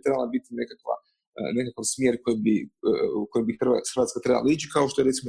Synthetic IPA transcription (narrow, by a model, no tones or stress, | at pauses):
t̪ɾebalˠabit̪inekakʋa̰ | nekakaʋsmjeːɾko̞jebi | kojembixt̪axɾʋat̪kat̪ɾe̞ba̰lˠait͡ʃikaoʃt̪o̞jee̞t̪simo